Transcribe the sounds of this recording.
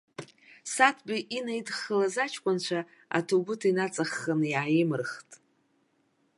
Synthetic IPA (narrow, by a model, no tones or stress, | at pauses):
satʰbiʔinajdχəlazat͡ʃʰkʷʼant͡ʃʷʰa | a̰tʰobʊtʰainat͡sʼaχːanɨjaʕːjɪmɨrχtʼ